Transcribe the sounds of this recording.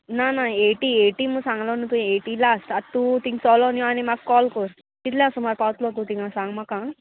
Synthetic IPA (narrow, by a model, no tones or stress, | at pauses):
nanaeːʈieʈimusãŋlɔnũt̪ũeːʈilasʈat̪ːut̪iŋsɔːlɔnjõanimakkːɔlkoɾ | k̪it̪ljãːsumaɾpawt̪lot̪ut̪iŋãsãŋmakã